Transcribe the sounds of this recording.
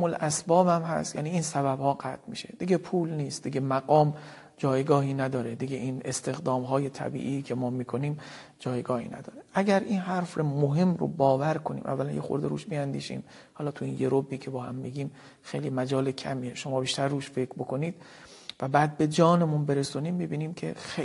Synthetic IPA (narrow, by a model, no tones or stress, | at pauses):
molʔæsbɒːbæmɦæ̰st̪jæ̰ːniːiːnsæbæbhɒːɢæt̪̚ʰmiːʃe̞̰d̪̥iɡepʰuːlniːst̪d̪iɡemæɡɒːm | d͡ʒɒːjɡɒːɦiːnæd̪ɒːɾed̪iɡeʔiːnest̪ʰe̞xd̪ɒːmɦɒːje̞t̪ʰæ̰bḭʔikʰe̞mɒːmiːkʰo̞niːm | d͡ʒɒːjɡɒːhḭːnæ̰d̪ɒ̰ːɾeʔæɟæɾʔiːnɦæɾfromoɦe̞mro̰bɒːvæɾkʰo̞nḭmʔæ̰vːælænjexo̰ɾd̪eɾṵːʃbiænd̪ḭːʃḭːm | hɒːlɒːt̪ʰuiːnjeɾobːiːcʰe̞bɒːhæ̰mːiɡiːm | xejliːmæd͡ʒɒːlecʰæ̰mieʃo̞mɒːbiːʃt̪ʰæɾːuːʃfe̞kʰɾbo̞kʰo̞niːd̪̥̚ | væbæːd̪̚be̞d͡ʒɒːnemunbe̞ɾesuniːmːibiːniːmcʰe̞̰xe